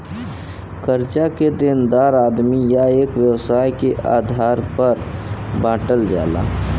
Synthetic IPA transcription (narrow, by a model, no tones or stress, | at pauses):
kəɾt͡ʃaked̪end̪aːɾaːd̪mijaeːkʋjəwsaːjkeʔa̰ːd̪ʱaːɾpəɾbãːʈəld͡ʒa̰ːla̰ː